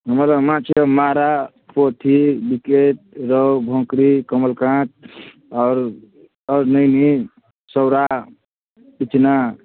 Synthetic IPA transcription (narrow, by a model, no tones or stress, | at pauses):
ɦəmɾamãt͡ʃʰemaɾa | pot̪ʰibikeʈ̚ɾɔwbʱõkɾikəməlkãʈ̚ | ɔːɾ | əɾnəni | səwɾa | bit͡ʃna